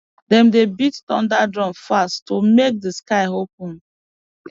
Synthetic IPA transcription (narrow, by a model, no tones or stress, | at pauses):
dɛ̃mdebittɔ̰̃ndadɹɔ̃mfasttomek̚dəskaɪɦop̚ũn